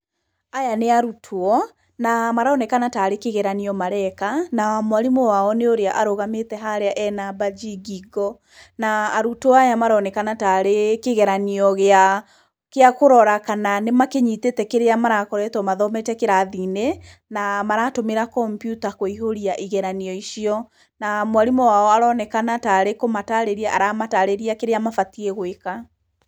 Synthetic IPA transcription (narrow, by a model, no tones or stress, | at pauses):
ajaneaɾutʰoɔ | namaɾaːnɛkanataːɾekeɣɛɾaniɔmaɾɛkanawamwaɾimowaɔneoɾeaʔaɾoɣametɛɦaɾeaʔɛnabad͡ʒiɡiɡɔ | naːɾutoɔajamaɾɔnɛkanataɾekeɣɛɾaniɔɣea | keakoɾɔɾakananemakeɲiːtetɛkeɾeamaɾakɔɾɛtɔmaðɔmɛtɛkeɾaðine | namaɾatomeɾakɔmpjutakoiɦoɾiaʔiɣɛɾaniɔiʃiɔ | namwaɾimɔwaɔaɾɔnɛkanataːɾekomataɾeɾiaʔaɾamataɾeɾiakeɾeamafatiɛɣweka